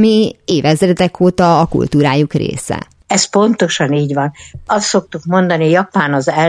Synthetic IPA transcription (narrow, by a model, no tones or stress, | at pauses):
mieːvɛzɛɾɛd̪ɛkʰoːt̪ɒɒkṵlt̪uːɾaːjukrḛːsɛ̰ | ɛspo̞nt̪o̞ʃɒniːɟʋɒnɒst̪so̞k̚t̪ukmo̞nd̪ɒnijɒpaːnɒzɛ